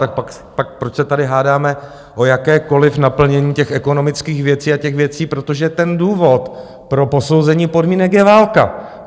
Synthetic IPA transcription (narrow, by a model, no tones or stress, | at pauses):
t̪ak̚pak | pak̚pɾot͡ʃsɛt̪adɪɦaːdaːmɛ | ʔo̞jakɛːko̞lɪfnapl̩ɲɛɲiːcɛxɛko̞no̞mɪt͡skiːxvjɛt͡siːacɛxvjɛt͡siːpɾo̞t̪o̞ʒɛt̪ɛnduːvo̞t̪ | pɾo̞po̞so̞wzɛɲiːpo̞dmiːnɛkjɛvaːlka